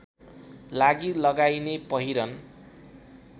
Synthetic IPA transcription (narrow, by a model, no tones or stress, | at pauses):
laɡilʌɡajnepʌɦiɾʌn